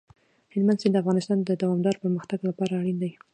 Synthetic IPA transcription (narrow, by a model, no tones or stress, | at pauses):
hɪlmand̪sind̪əafɣɑnɪst̪ɑnd̪əd̪awɑmd̪ɑɾpəɾməxt̪aɡlapɑɾaːɽind̪ai